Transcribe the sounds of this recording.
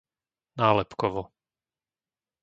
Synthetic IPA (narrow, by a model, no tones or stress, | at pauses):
naːlɛpkɔʋɔ